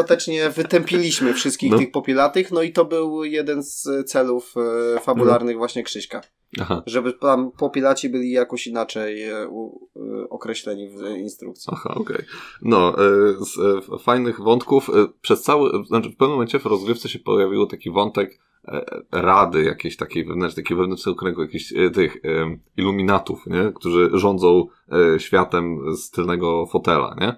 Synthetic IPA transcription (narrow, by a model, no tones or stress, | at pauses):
at̪ɛt͡ʂɲɛvɘt̪ɛmpʲilʲiɕmɘfʂɘst̪kʲixɨxpɔpʲilat̪ɘxnɔit̪ɔbɘwjɛd̪ɛnst̪sɛluffabulaɾnɘɣvwaɕɲɛkʂɘɕka | ahaʐɛbɘt̪ampɔpʲilat͡ɕibɘlʲijakɔɕinat͡ʂɛju | ɔkɾɛɕlɛɲivinst̪ɾṵk̚t̪sʲa̰xa̰ɔ̰kɛ̰jnɔsfajnɘɣvɔnt̪kufpʂɛst̪sawɘat͡ʂɘfpɛvnmɔmɛɲt͡ɕɛvɾɔzɡɾɘft̪sɛɕɛpɔ̰javʲiwɔt̪akʲivɔnt̪ɛk | ɾad̪ɘja̰kʲeɕt̪akʲejvɛvnɛnakʲejvɛvnɛnt͡ʂnɛɡɔkɾɛŋɡujakʲeɕt̪ɘx | ilumʲinat̪ufɲɛkt̪uʐɘʐɔnd̪zɔ̃w̃ | ɕfʲjat̪ɛmst̪ɘlnɛɡɔfɔt̪ɛla̰ɲɛ